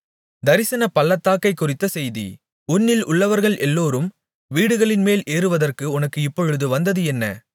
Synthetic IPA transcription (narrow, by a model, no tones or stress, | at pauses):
d̪ɐɾɪsɐnɐpɐlːɐt̪ːaːkɐɪkːʊrɪt̪ːɐsɛjðḭ | ʊnːɪlʊɭːɐʋɐɾɣɐɭʔɛlːoːɾɯm | ʋiːɽɯɣɐɭɪnmeːlʔeːɾɯʋɐðɐrkɯʊnɐkːɯɪpːɔɻɯðɯʋɐnd̪ɐðɯɛnːɐ̰